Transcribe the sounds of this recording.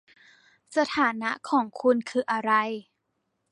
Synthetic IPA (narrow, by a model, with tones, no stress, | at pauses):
sa˧t̪ʰaː˩˦na˦˥ʔkʰɔː˩˦ŋkʰu˧nkʰɯː˧ʔa˧ɾa˧j